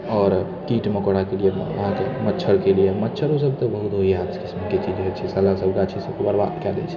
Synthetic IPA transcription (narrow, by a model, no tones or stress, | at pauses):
ɔːɾ | kiʈməkoɽakelijeə̰ɦãkemətːt͡ʃʰəɾkelijemətːʃʰəɾos̬əbʱt̪ɔbəɦut̪ɦoɦiɦad̪kismket͡ʃid͡ʒɦet͡ʃʰɛsəlasəbʱkat͡ʃʰisəbkebəɾbad̪kɛlɛ̰t͡ʃʰɛ̥